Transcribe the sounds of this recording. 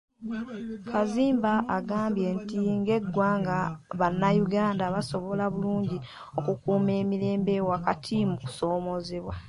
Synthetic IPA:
kʰaziːmbaʔːɡaːmbje̞ntiŋɡe̞ɡwaːŋɡaβanːajuɡaːndaβaso̞βo̞laβuluːɲɟi | o̞kukuːme̞ːmiɾe̞ːmbe̞wakatʰimuku̥so̞ːmo̞zeβwa

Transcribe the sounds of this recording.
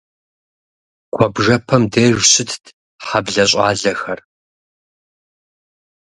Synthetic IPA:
ɡ̥ʷʰɔbʐɐpʰɐmdeːʒɕɪtʰtʰ | ħabɮɐɕʼɑːɮɐxɐr

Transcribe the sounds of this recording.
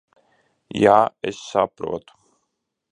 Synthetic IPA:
jaːɛ̰ssapɾṵɔt̪u̥

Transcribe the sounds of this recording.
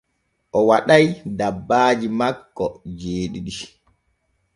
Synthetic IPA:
ʔɔwaɗajdabːaːd͡ʒimakːɔd͡ʒeːɗiɗi

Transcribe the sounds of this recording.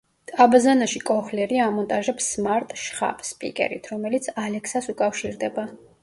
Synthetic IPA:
t̪ʼabazanaʃikʼɔχlɛɾiamɔnt̪ʼaʒɛpsmaɾt̪ʼʃχa̰pspʼḭkʼɛ̰ɾḭt̪ʰɾɔmɛlit̪sʰalɛkʰsasukʼafʃiɾd̪ɛba

